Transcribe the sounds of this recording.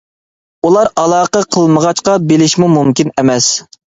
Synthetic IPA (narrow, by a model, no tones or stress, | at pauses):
ulˠɑɾɑlˠɑːqəqʰəlˠməʁɑʃqɑbelɪʃmumumkʲinɛmɛs